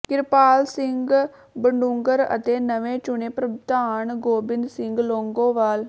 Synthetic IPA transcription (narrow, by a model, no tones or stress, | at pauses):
kɪɾpaːlsɪŋɡ | bəɳɖuŋɡəɾə̰t̪eːnəʋẽːt͡ʃʊɳeːpɾəbt̪aːɳɡoːbɪnd̪sɪŋɡloːŋɡõːʋaːl